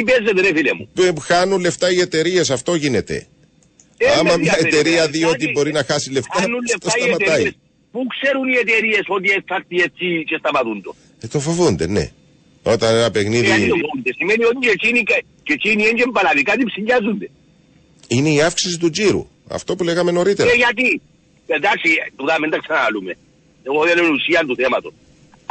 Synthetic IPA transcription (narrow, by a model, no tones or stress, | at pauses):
ipezːet̪eɾefilemṵxɐnunle̞ft̪ɐiet̪e̞ɾie̞s̬ɐft̪o̞ʝine̞t̪e̞̰ | eɐmɐɲɐet̪e̞ɾiɐðio̞t̪̬ibo̞ɾinɐxɐsileft̪ɐnunleft̪osit̪ɐmɐt̪ɐis | pukseɾuniet̪eɾiesot̪ieksɐɾt̪iet͡sːit͡ʃest̪ɐmɐt̪und̪o̰ | t̪ofovund̪ene̞̰ | o̞t̪ɐnenɐpexniðitiofound̪esimeniot̪it͡ʃet͡ʃinika | t͡ʃet͡ʃiniend͡ʒembɐlaðikat̪̬ipsiɲɟɐzund̪e | ineiɐfksisit̪ud͡ʒiɾṵ | ɐ̰ft̪o̞puleɣɐme̞no̞ɾit̪eɾeʝat̪̬i | ped̪aksit̪uðamend̪ɐksɐnalume | oðɐlenusiɐnt̪uθemɐt̪os